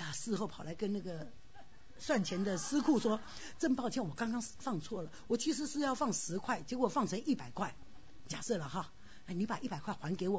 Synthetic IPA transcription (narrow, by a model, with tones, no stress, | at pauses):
a˨˩sɹ̩˥˧xo˥˩ʊpʰɑ˨˩ʊla˧˥ɪkə˥na˥˩ɡə˩ | swa˥˩nt͡ɕʰjɛ˧˥nd̪ə˨sɹ̩˥kʰu˥˩ʂwɔ˥ | ʈ͡ʂə˥˧ŋpɑ˥˧ʊt͡ɕʰɛ˥˩nwɔ˨˩kɑ˥ŋkɑ˥ŋfɑ˥˧ŋt͡sʰwɔ˥˩lə˩wɔ˨˩t͡ɕʰi˧˥ʂ̬ɻ̩˧˥ʂɻ̩˥˧jɑ˥˧ʊfɑ˥˩ŋʂɻ̩˧˥kʰwa˥˩ɪt͡ɕjɛ˧˥kwɔ˨˩fɑ˥˩ŋt͡sʰɤ˧˥ŋi˥˩pa˨˩ɪkʰwa˥˩ɪ | t͡ɕja̰˨˩sɤ˥˩lə˩xɑ˥˧ | a˥˩ni˧˥pa˨˩ʔi˥˩pa˨˩ɪkʰwa˥˩ɪxwa˧˥nke˧˥ɪwɔ˨˩